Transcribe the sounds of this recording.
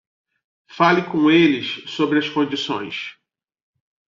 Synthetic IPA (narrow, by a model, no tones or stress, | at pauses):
falɪkõelɪssobɾɪɐskõd͡ʒisõ̰j̃s